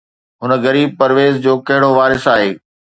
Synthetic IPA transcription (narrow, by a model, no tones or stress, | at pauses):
ɦʊnə̆ɣɐɾiːb̚pɐɾʋeːzd͡ʑoːkɐɦɪɽoʋaːɾɪsaːɦeː